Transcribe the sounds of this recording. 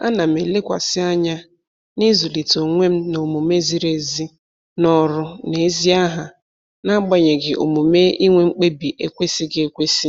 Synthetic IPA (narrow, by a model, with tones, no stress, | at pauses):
a̰˦na˨m̩˨e˨le˦kʷa̰˨sɪ˦a˦ɲa˦ | ni˦zu˨li˨to˨ŋʷe˦m̩˦no˨mu˨m˦e˦zi˦ɾe˨zi˦ | nɔ˦ɾʊ˦ne˨˦zi˦a˦ɦa˨ | na˦ɡ͡ba˦ɲe˨ɡɪ˨ʔo̰˨mu˨me˦i˦ŋʷe˦ŋ͡m̩˦k͡pe˦bi˨ʔe˨kʷe˦si˦ɡɪ˦e˨kʷe˦si˦